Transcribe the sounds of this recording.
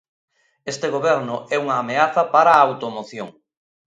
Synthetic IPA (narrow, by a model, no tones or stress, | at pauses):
est̪eɣoβɛɾnʊʔɛuŋaːmeaθɐpaɾaːwt̪omoθjoŋ